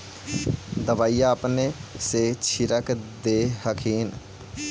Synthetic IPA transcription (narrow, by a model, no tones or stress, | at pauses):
d̪əbaːijaəpneset͡ʃʰiɾəkd̪ehəkʰiːn